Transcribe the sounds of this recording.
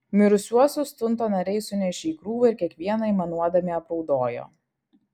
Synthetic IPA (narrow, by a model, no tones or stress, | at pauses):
mʲɪɾʊsʲuɔsʲʊst̪ʊnt̪oːnɐɾʲɛɪsʊnʲɛʃʲeiːkɾuːʋɐɪɾʲkʲiɛkʋʲiɛnɐɪmɐnuɔd̪ɐmʲiɐpɾɔʊd̪oːjo̰ː